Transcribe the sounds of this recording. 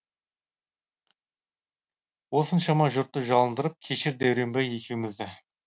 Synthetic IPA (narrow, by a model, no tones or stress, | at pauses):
wo̞sənʃɑmɑʒʊɾt̪ːəʒɑlˠənd̪əɾəp̚kʲʰe̞ʃɪɾd̪æwɾe̞mbeje̞kʲʰewɪmɪzd̪ɪ